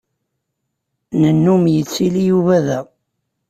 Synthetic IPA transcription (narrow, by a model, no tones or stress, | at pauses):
nənːumjət͡sːilijuvæðæ